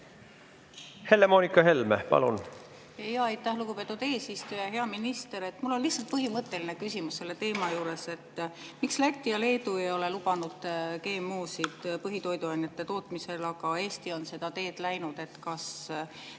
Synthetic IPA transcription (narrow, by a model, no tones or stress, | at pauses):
he̞lːemoːnikːɑɦe̞lmḛpɑ̰lṵn | ejɑɑjt̪ːˑæhluɡ̥upe̞t̪ːˑud̪̥e̞ːsist̪ujɑɦe̞ɑminist̪e̞ɾe̞t̪ːmulːo̞nlihsːɑlt̪̚pɤɦimɤt̪ːˑe̞line̞kysimusːe̞lːe̞t̪e̞ːmɑjuːɾe̞se̞t̪ːmikslæt̪ʲːijɑle̞ːd̪uejo̞le̞lub̥ɑnud̪̥ke̞ːmːoːsid̪̥pɤɦit̪o̞jd̪uɑnʲːjɑt̪ːˑe̞t̪o̞ːt̪mise̞lɑɡɑe̞ːst̪io̞nse̞d̪̥ɑt̪e̞ːd̪̥læjnud̪̥e̞t̪kɑs